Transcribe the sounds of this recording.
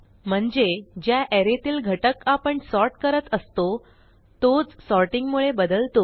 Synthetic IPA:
m̤əɳd͡zed͡ʑjaʔeɾet̪iːlɡʱəʈəkapəɳsɔɾʈkəɾət̪əst̪o | t̪od͡zsɔɾʈiŋɡmuɭebəd̪əlt̪o

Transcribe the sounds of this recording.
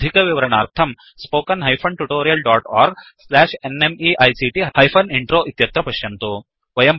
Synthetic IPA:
d̪ʱikɐʋiʋɐɾɐɳaːɾt̪ʰɐm | spoːkɐnɦɐjpʰɐɳʈuʈoːɾijɐlɖaːʈaːɾɡslæːʂenemiʔɐjsiʈihɐjpʰɐniɳʈɾoːʔit̪jɐt̪ɾɐpɐʃjɐnt̪u | ʋɐjɐm

